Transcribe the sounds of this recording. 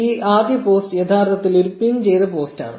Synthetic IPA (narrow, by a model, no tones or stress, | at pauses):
iːʔaːd̪jɐpoːsʈjet̪ʰaːrt̪ɐt̪ːiliɾupːint͡ɕe̞jt̪ɐpo̞ːsta̰ːɳɨ̰